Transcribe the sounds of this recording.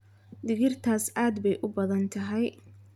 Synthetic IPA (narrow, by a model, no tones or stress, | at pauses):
d̪ɪɣɪrt̪ʰaːsʔaːd̪bɛjʔʊbɐðɐnt̪ʰɐɦɛj